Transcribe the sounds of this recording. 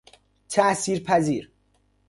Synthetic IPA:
t̪ʰæsiːɾpʰæziːɾ

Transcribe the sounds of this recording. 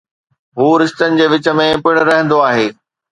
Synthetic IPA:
ɦuːɾɪst̪ənɪ̆d͡ʑeːʋɪt͡ɕə̆mẽpɪɽ̃ɾɐɦə̃nd̪oaːɦeː

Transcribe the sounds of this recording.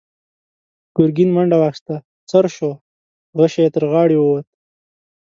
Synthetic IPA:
ɡ̥ʊɾɡinmaɳɖawaxʃt̪a | t͡saɾʃo | ɣəʃajet̪əɾɣɑɽiwəwat̪̚

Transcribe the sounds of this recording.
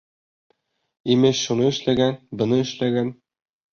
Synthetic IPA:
imɘɕʃunɤɘ̆ʃlæɡænbɤ̆nɤɘ̆ʃlæɡæn

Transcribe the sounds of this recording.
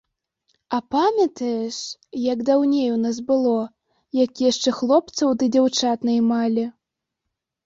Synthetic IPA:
ɐpamʲɐt̪ɐjɛʂjɐɡd̪awnʲejunas̬bɨlˠɔ | jakʲjaʂt͡ʂɛxlˠɔp̚t̪sɐwd̪ɨd͡zʲawt͡ʂat̪nɐjmalʲi

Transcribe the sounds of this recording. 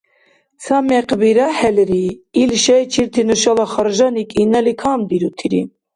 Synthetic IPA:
samɛqbiɾahɛlɾiːlʃɛjt͡ʃʰiɾt̪ʰinuʃɑlaχɑɾʒɑnikʼinɛlikʰamd̪iɾut̪ʰiɾḭ

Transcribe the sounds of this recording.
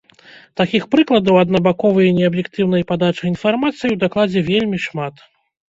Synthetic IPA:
t̪akʲixpɾɨklˠɐd̪ɐwɐd̪nɐbakɔvɨjɐnʲɛɐbjɛkt̪ɨwnɐjpad̪at͡ʂɐjinfarmat̪sɨjiwd̪aklˠad͡zʲɛvʲelʲmʲiʂmat̪

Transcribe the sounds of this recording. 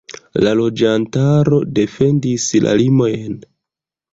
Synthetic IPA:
lalo̞d͡ʒantaɾo̞de̞fe̞ndisla̰limo̞jn

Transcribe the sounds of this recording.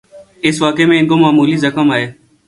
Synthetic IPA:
ɪsʋaːkeːmẽːɪ̃ŋɡoːmaːmuːliːzəkəmaːɦeː

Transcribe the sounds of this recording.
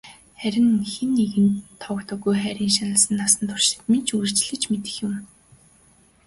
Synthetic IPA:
χæɾʲɪ̆nxenːeɣɘ̆nt̪ʰːɔkt̪ɔ̆ɣujχæɾʲiːŋʃanə̆ɮsə̆nːasə̆nt̪ʰʊr̥ʃɪ̥̆t̪ment͡ɕʰuɘ̆rt͡ɕɮɘ̆t͡ɕmet̪ɘ̥̆xjʊ̆m

